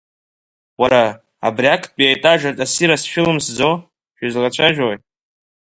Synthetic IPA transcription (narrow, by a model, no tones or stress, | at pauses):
waɾa | a̰brʲakʰpʼiajtʼaʒᶣartʼasiɾasʃᶣɪlɨmsd͡zo | ʃᶣizʁat͡ɕʷʰaʒᶣoj